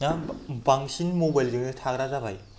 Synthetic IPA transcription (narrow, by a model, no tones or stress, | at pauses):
nabaŋsinmobajldɯŋdɯtʰaɡɾazabaj